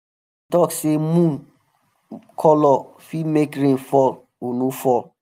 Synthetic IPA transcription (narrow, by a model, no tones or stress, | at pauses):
tɔksemũn | kʰɔlɔ | fimekɾẽnfɔl | onufɔl